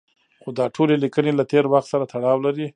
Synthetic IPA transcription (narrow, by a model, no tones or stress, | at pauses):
xod̪ɑʈʰolelikənelat̪eɾwaxt̪saɾat̪aɽɑwlaɾi